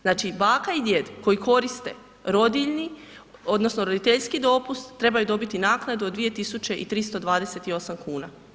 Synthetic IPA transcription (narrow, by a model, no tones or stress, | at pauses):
znaːt͡ʃibaːkaid̪jed̪ko̞jiko̞ɾist̪e̞̰ | ɾo̞d̪iʎni | o̞d̪nosnoɾo̞d̪it̪eʎskid̪o̞pust̪ːɾe̞bajud̪o̞bit̪inaːknad̪ud̪ʋije̞t̪isut͡ʃe̞ʔit̪ɾist̪o̞d̪ʋaːd̪e̞se̞t̪io̞samkuːna